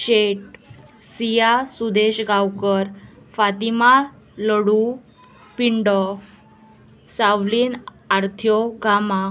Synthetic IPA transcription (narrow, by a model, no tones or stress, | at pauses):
ɕeʈ̚ | sijasud̪eɕɡawkəɾ | fat̪ima | ləɽu | piɳɖɔ | sawliːn | aɾt̪ʰjɔɡʱama